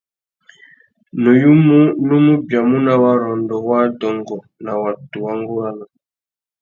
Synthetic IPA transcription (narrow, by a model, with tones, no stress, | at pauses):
no˨ju˦mu˦nu˦mu˦bja˨mu˦na˦˨wa˨ɾɔ˨ndɔ˨wa˦dɔ˨ŋɡɔ˨ | na˨wa˨tu˨wa˦ŋɡo˦wa˦na˨